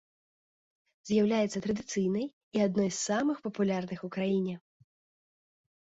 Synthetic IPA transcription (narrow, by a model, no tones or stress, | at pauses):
zʲjawlʲajɛt̪sɐt̪ɾɐd̪ɨt̪sɨjnɐj | iad̪nɔjssamɨxpɐpulʲarnɨxukɾajinʲɛ